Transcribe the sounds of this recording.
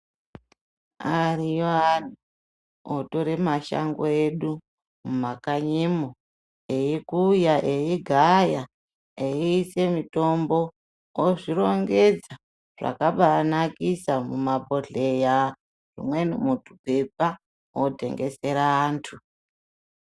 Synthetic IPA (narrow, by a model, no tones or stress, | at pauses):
arijoani | otoɾemaʃa̰ŋɡoeɗu | mumakaɲemo | ejikujaʔejiɡʱaja | eiːse̞mito̞mbo̞ | oʐiɾo̞ŋɡe̞d͡za | ʐ̥a̰kaɓanakisamumabʱo̞ɮe̞ja | ʐḭmwenimutʰupepa | wote̞̰ŋɡe̞se̞ɾaːntʰu